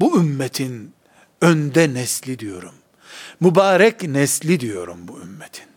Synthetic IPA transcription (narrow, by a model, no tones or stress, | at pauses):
buymːɛt̪ʰin | ønd̪ɛnɛslʲid̪ijo̞ɾumː | ubaːɾɛcnɛslʲid̪ijo̞ɾumbuymːɛt̪ʰi̥n